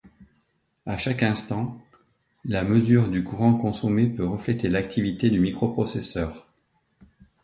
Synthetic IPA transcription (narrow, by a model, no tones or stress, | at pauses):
aʃakɛ̃st̪ɑ̃ | laməzyʁd̪ykuʁɑ̃kɔ̃sɔmepøʁəflet̪elakt̪ʰivit̪ed̪ymikχopχɔsesœːʁ